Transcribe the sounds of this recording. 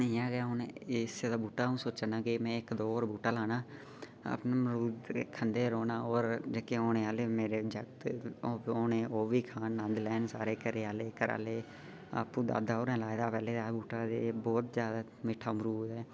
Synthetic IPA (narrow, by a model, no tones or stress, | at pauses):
nːãːɡəaːɦʊneɪsed̪aːbuːʈaːɦũːsoːt͡ʃənãːkemɛ̃ːɪkd̪oːoːɾbuːʈaːlaːnaː | ə̰pnaːmɾuːd̪kʰənd̪eːɾoːnaːɔːɾd͡ʒəːkeoːneːaːleːmeːɾeːd͡ʒəkt̪oːoːnẽːoːʋiːkʰaːnːə̃nd̪lɛːnsaːɾeːkəɾeːaːleːkəɾa̰ːleː | a̰ːpũːd̪a̰ːd̪aːoːɾɛ̃ːlaːd̪aːpɛːleːd̪aːbuːʈaːd̪eːbɔːt̪zjaːd̪aː | mɪʈʰaːmɾuːd̪ɦɛː